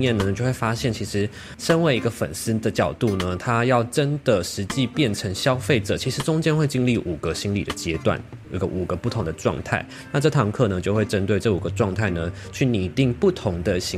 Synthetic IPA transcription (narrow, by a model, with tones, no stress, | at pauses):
jɛ˥˩nə˩t͡ɕjo˥˧ʊxwe˥˩fa˥ɕjɛ˥˩nt͡ɕʰi˧˥ʂɻ̩˧˥ | ʂə˥nwe˧˥ɪi˧˥ɡə˧fə˨˩ns̩˥d̪ə˨t͡ɕjɑ˨˩ʊt̪u˥˩nə˩t̪ʰa˥jɑ˥˩ʊʈ͡ʂə˦˥nd̪ə˨ʂɻ̩˧˥t͡ɕi˥˧pjɛ˥˩nʈ͡ʂʰə˧˥ŋɕjɑ˥ʊfe˥˩ɪʈ͡ʂɤ˨˩t͡ɕʰi˧˥ʂɻ̩˧˥ʈ͡ʂʊ˥ŋt͡ɕjɛ˥nxwe˥˧ɪt͡ɕi˥˧nli˥˩ʔu˨˩ɡə˦ɕi˥nlḭ˨˩d̪ə˦t͡ɕjɛ˥t̪wa̰˥˩ni˧˥ɡə̰˧ʔu˨˩ɡə˦pu˥˩t̪ʰʊ˧˥ŋd̪ə˧ʈ͡ʂwɑ̰˥˧ŋt̪ʰa̰˥˩ɪna˥˧ʈ͡ʂɤ˥˩t̪ʰɑ˧˥ŋkʰɤ˥˩nə˩t͡ɕjo˥˧ʊxwe˥˩ɪʈ͡ʂə˥nt̪we˥˧ɪʈ͡ʂɤ˥˩u˨˩ɡə˩˦ʈ͡ʂwɑ˥˧ŋt̪ʰa˥˩ɪnə˩t͡ɕʰy˥˩ni˨˩t̪i˥˧ŋpu˥˩t̪ʰʊ˧˥ŋd̪ə˧ɕi˧˥